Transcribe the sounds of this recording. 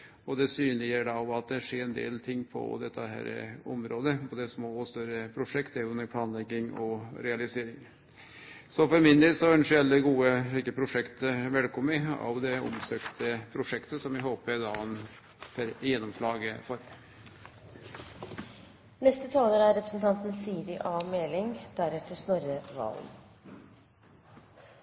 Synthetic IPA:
ɔd̪ɛsyːnlɪɡəɖɑɔmɑt̪̚d̪ɛʂeːɾɛnd̪ḛːlt̪ʰɪŋːpʰɔ̰d̪ɛt̪ʰːəhæ̰ːɾə̰ɔ̰mɾoːd̪əpʰɔd̪ɛsmoːɔst̪œɾəpʰɾʊʂɛkt̪æɾʉnəɾpʰlɑːnlɛɡːɪŋɔɾɛɑlɪseːɾɪŋ | sɔfɔɾmɪnd̪elsɔɛnʂɪɛlːəɡuːəliːkəpʰɾʊʂɛkt̪əʋɛlkʰɔmːəɑ̰ʋd̪ɛɔ̰msøːkt̪əpʰɾʊʂɛkt̪əsɔmɪɦoːpəd̪ɑːn | fɛɾjɛnːɔmʂlɑːɡəfɔɾ | nɛst̪ət̪ʰɑːləɾæɾɛpɾə̥sn̩t̪ʰɑnt̪n̩siːɾɪʔɑːmeːlɪŋd̪̥æɾɛt̪ʰːəʂnɔɾəʋɑ̰ːln

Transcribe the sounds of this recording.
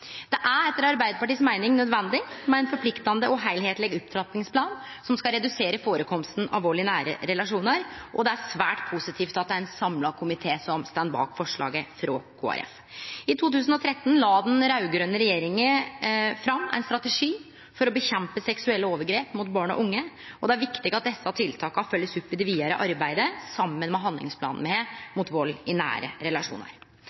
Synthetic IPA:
d̪ɛʔæɛt̪ːəɾɑɾbæɪd̪əpɑʈiːsmæɪnɪŋnœd̪ʋɛnd̪ɪmɛæɪnfɔɾpʰlɪkt̪ɑnd̪əʔɔɦæɪlheːt̪lɛɡʉp̚t̪ʰɾɑt̪nɪŋspʰlɑːn | sɔmskɑɾɛd̪ʉseːɾəfoːɾəkʰɔmst̪n̩ɑ̰lʋoːɭɪənæːɾə̰ɾɛlɑʂuːnəɾʔɔd̪ɛæɾsʋæ̰ːʈpʰʊsɪt̪ʰiːft̪ɑt̪̚d̪ɛæɾɛnsɑmlɑkʰʊmɪt̪ʰeːsɔmst̪ænd̪bɑ̰ːkfɔʂɭɑ̰ːɡəfɾɔ̰kʰo̰ːæ̰ɾʔɛ̰f | ɪt̪ʰuːt̪ʰʉːs̬n̩ɔt̪ʰɾɛt̪ːn̩lɑːd̪ɛnɾɑʉɡɾøːnəɾɛjeːɾɪŋəfɾɑmːæ̰ɪnst̪ɾɑt̪ɛʂiː | fɔɾɔbəçɛmpəsɛksʉɛlːəoːʋəɾɡɾeːpmʊt̪bɑːɳɔ̰ʔʊŋːə | ɔd̪ɛæɾʋɪkt̪ɪɡɑt̪̚d̪ɛsːɑt̪ʰɪlt̪ʰɑːkəhɑfœlːəsʉpːɪd̪ɛʋiːɑɾə̰ʔɑɾbæɪd̪əsɑmːənmɛɦɑnd̪ɪ̰ŋspʰlɑ̰ːnnmɛemʊt̪ʋɔlːɪnæ̰ːɾə̰ɾɛlɑʂṵːnə̰ɾ

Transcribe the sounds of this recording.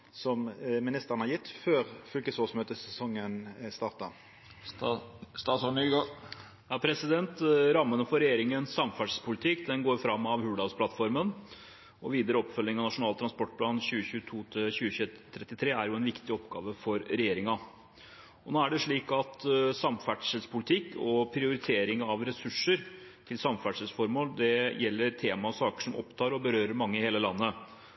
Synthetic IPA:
sɔmmɪnɪst̪əɾənhɑɾjɪt̪ːføːɾfʏlkəsoːsmøːt̪əsɛsɔŋːənst̪ɑːɾt̪ɑ | st̪ɑːsɔɳyːɡɑ | jɑːpʰɾɛsɪd̪ɛnt̪ɾɑmːənəfɔɾɛjeːɾɪŋənsːɑmfæɖʂpʰʊlɪt̪ʰɪkd̪ɛnɡoːɾfɾɑmːɑʋhʉːɖɑʊspʰlɑt̪fɔɾmən | ɔʋiːd̪əɾəɔpːfœlːɪŋɑʋnɑʂʊnɑːlt̪ʰɾɑnspɔʈ̚ːpʰlɑːnɕʉːəɕʉːət̪ʰuːt̪ʰɪlɕʉːəçʉːt̪ʰɾɛt̪ːɪt̪ʰɾeːæɾjʊɛnʋɪkt̪ɪɔpɡɑ̰ːʋəfɔɾɾɛjeːɾɪŋɑ | ɔnoːæɖɛʂɭiːkɑt̪sɑmfæʈʂəlspʰʊlɪt̪ʰɪkːɔpʰɾɪʊɾɪt̪ʰeːɾɪŋɑʋɾɛsʉʂəɾ | t̪ʰɪlsɑmfæʈʂəlsfɔɾmoːld̪ɛjɛlːəɾt̪ʰeːmɑɔsɑːkə̥ʂɔmʔɔ̰pt̪ʰɑːɾɔbəɾøːɾəɾmɑŋːəheːləlɑnːə

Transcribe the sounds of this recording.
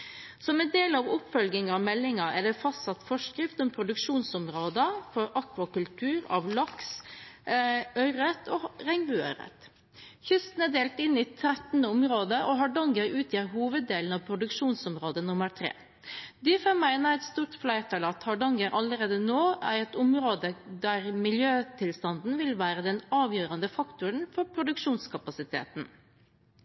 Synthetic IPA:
sɔmɛnd̪eːlɑʋʊpfɔlɡɪŋɑɑmɛlːɪŋɑʔæɖɛfɑst̪sɑt̪fɔʂkɾɪft̪ɔmpʰɾʊd̪ʉkʂuːnsɔmɾoːd̪əfɔɾɑkʋɑkʉlt̪ʰʉːɾɑ̰ʋlɑks | œʏɾət̪ʰɔʁɛŋbʉːœ̰ʏɾə̰t̪ | çʏst̪n̩æɖ̪eːlt̪ɪnːiːt̪ʰɾɛt̪nəɔmɾoːd̪əʔɔɦɑɖɑŋɡəɾʉːt̪ʰjiɾɦuːʋəd̪eːln̩ɑʋpʰɾʊd̪ʉkʂuːnsɔmɾoːd̪ənʊməɾt̪ʰɾḛː | d̪ɪfɛmæɪnæɛt̪st̪uːɾʈ̪flæɪt̪ʰɑlɑt̪hɑɖɑŋəɾʔɑləɾeːd̪ənoːæɾɛt̪ʊmɾoːd̪əd̪æɾmɪljøːt̪ʰɪlst̪ɑnd̪n̩ʋɪlʋæːɾəd̪ɛnɑːʋjøːɾɑnd̪əfɑkt̪ʊɾəɳfɔɾpʰɾʊd̪ʉkʂuːnskʰɑpɑsɪt̪ʰḛːt̪n

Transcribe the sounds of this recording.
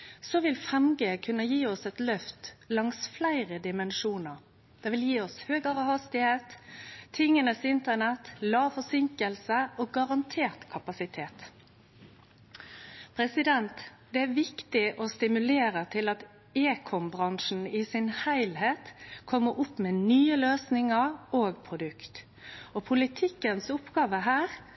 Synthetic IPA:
sɔʋɪlfʁɛmɡəːkʰʉnːəjiːɔsɛt̪lœft̪lɑŋsflæɪʁəd̪ɪmənʃuːnəʁ | d̪̥ɛːʋɪljiːɔshøːɡəʁəhɑst̪ɪheːt̪ʰː | ɪŋːənəsɪnt̪ənɛt̪lɑːfɔsɪŋkəlsəoːɡɑʁɑnt̪ʰeːʁt̪kʰɑpɑsɪt̪ʰeːt̪ | pʰɾɛsɪd̪ɛnt̪ | d̪ɛæɾʋɪkt̪ɪʔɔst̪ɪmʉleːɾət̪ʰɪlɑt̪ | eːkʰɔmbʁɑŋʂn̩ɪsɪnhæɪlheːt̪kʰɔmːəɾʊpːmɛnyːəløːsnɪŋəʁoːɡpʰʁʊd̪ʉkt̪ | ɔpʰʊlɪt̪ʰɪkːənsʊpɡɑːʋəɦæːɾ

